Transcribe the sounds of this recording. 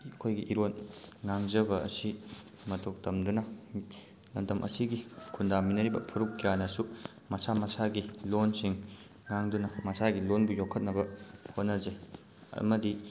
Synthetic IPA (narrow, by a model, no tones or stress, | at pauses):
ɐkʰojɡiʔiɾonŋaŋzɐbɐɐ̰si | mɐtʰok̚tɐmdunɐ | lɐmdɐmʔɐ̰siɡikʰundaminɐɾibɐpʰuɾukːijanɐsu | mɐsamɐsaɡilonsiŋ | ŋaŋdunɐmɐsaɡilonbujokʰːɐt̚nɐbɐhot̚nɐze | ɐ̰mɐdi